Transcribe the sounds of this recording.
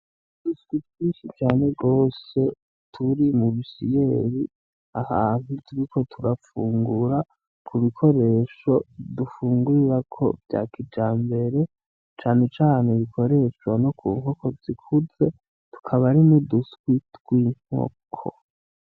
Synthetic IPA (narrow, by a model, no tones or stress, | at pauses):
duskwitɡiːnʃit͡ʃaːne̞ɡo̞ːse̞ | tʰuɾimuβisijeɾi | ahaːn̥hutʰuɾikʰo̞tʰuɾafuːŋɡuɾa | kʰuβikʰo̞ɾe̞ːʃo̞dufuːŋɡuiɾakʰo̞̰vja̰kʰid͡ʒaːmbe̞ɾe̞ | t͡ʃaːne̞t͡ʃaːneβikʰo̞ɾe̞ʃwano̞kʰṵːŋ̥okʰo̞z̥ikʰuze̞ | tu̥kʰaβaɾinuduskwitɡ̥wiːŋ̥o̰kʰo̰